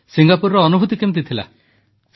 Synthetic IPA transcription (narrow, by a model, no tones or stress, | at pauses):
siŋɡapuɾɾɔːnubʱut̪ikemt̪̬it̪ʰila̰